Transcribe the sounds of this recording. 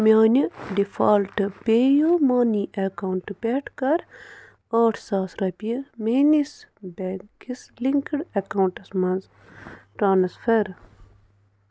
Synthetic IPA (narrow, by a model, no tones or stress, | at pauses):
mʲaːniɖifaːlʈɨpeːjomaːniʔekauɳʈɨpeːʈkɐɾ | oːʈʰsaːsɾɐpijɐmenisbekisliŋkəɽɐkawɳʈɐsmɐnz | ʈɾaːnsfɐɾ